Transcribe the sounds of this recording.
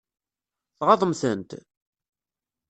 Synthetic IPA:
θʁɑðˤəmθənt̪

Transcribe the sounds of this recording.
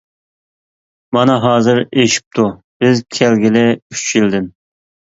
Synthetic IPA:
mɑnɑɦɑːzɨɾeʃi̥p̚t̪ʰu | b̥ɪzkʲʰælɡʲɪlɪyt͡ʃjild̪ɪn

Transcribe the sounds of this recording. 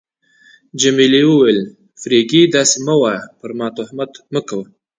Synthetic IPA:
d͡ʒamiliwəwel | fɾeɡid̪ɑseməwapəɾmɑt̪ʊhmat̪məkawə

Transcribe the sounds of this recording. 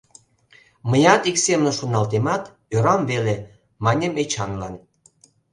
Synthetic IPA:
məjɑt̪iksemnə̆ʃonɑlt̪emɑt̪ | øɾɑmvele | mɑnʲemet͡ɕɑnlɑn

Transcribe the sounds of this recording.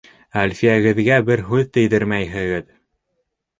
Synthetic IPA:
ælʲfijæɡɘ̆ðɡæbɘɾɦʉðt̪ɘ̆jðɘɾmæjɦɘ̆ɡɘð

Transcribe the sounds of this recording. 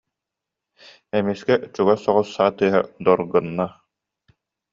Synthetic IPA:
ɛmiskɛʔt͡ɕuɡasɔʁɔsːaːt̪ɯːɦa̰d̪ɔɾɡɯnːa

